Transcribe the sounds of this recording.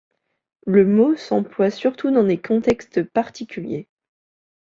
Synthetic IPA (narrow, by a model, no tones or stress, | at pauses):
ləmosɑ̰̃plwasyʁt̪ud̪ɑ̃d̪ekʰɔ̃t̪ɛkst̪paʁt̪ʰikʲʰyljḛ